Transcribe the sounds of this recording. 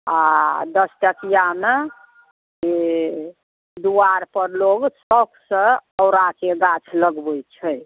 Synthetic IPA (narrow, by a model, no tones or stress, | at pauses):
ad̪əsʈəkijame | e | d̪uaɾpəɾloɡsəbsə̃əwɾakeɡat͡ʃʰləɡbəjt͡ʃʰəj